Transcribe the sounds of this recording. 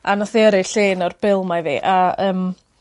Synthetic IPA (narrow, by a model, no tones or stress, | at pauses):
anɔθiəɾɪɬeːnɔrb̥ɪlˠmavḭʔaəːm